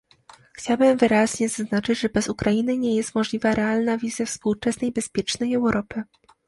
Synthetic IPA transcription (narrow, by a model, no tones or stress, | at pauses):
xt͡ɕawabɘmvɘɾaʑɲɛzaznat͡ʂɘd͡ʑʐɛbɛzukɾainɘɲɛjɛst̪mɔʐlʲivaɾʔɛalnavʲizʲjɛfspuwt͡ʂɛsnɛjbɛspʲjɛt͡ʂnɛjɛwɾʔɔpɘ